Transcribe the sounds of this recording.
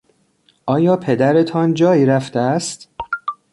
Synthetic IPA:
ʔɒːjɒːpʰe̞d̪æɾe̞t̪ʰɒnd͡ʒɒːjiːɾæft̪eæst̪

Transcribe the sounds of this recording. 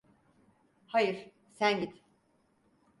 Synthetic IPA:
hajɯɾ̥ | sænɟit̪

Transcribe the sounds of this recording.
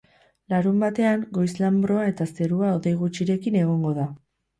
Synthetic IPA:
laɾumbat̪e̞aŋɡo̞jslambɾo̞ae̞t̪ase̞ɾuao̞ðejɣ̞ut͡ʃiɾe̞kine̞ɣ̞o̞ŋɡo̞ða

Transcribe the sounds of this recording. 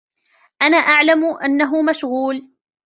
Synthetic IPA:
ʔanaːʔaʕlamʊʔanːaɦʊmaʃɣuːl

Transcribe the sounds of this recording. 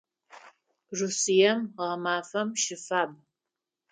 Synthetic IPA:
rusijɐmʁɐmaːfɐmʃɪfaːb̚

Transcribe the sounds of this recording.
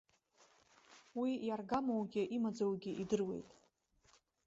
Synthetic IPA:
wijarɡamowɡʲɪʔimad͡zawɡʲɪʔidɨrwe̞̰jtʼ

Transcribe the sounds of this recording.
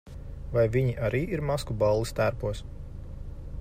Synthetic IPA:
vajviɲiʔaɾʔiːʔiɾmaskubalˠːist̪æɾpuɔs

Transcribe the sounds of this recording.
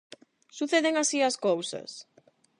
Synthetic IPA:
suθeðeŋasiaskowsɐ̰s

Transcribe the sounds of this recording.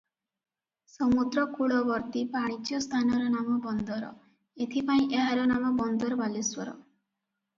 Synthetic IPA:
sɔmud̪ɾɔkuɭɔbɔɾt̪ipaɽ̃it͡ʃjɔst̪ʰanɔɾɔnamɔbɔnd̪ɔɾɔ̰ | et̪ʰipaĩʔeɦaɾɔnamɔbɔnd̪ɔɾɔbaliswɔɾɔ̰

